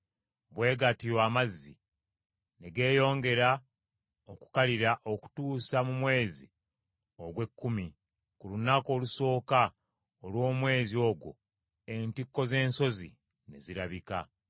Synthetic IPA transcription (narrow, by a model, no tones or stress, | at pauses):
βwe̞ːɡatijwaːmazːḭ | ne̞ɡe̞ːjo̞ːŋɡe̞ɾa | oku̥kaliɾaʔo̞ku̥tuːsamumwe̞ːzi | o̞ɡwe̞kːumi | kulunako̞ːluso̞ːka | olwo̞ːmwe̞ːzio̞ɡwo̞̰ | e̞ntikːo̞ze̞ːnso̞zi | ne̞̰ziɾaβika̰